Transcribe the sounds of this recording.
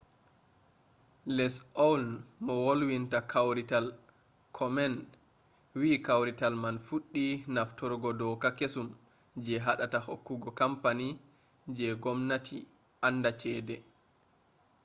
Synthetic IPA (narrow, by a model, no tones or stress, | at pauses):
lɛsɔwlnmɔwolwintakʰawɾital | kʰɔmɛn | wiːkawɾitalmanfuɗːinaftɔɾɡɔdɔkakesum | d͡ʒɛɦaɗatahokːuɡɔkampani | d͡ʒɛɡɔmnatʰi | ʔandat͡ʃɛːdɛ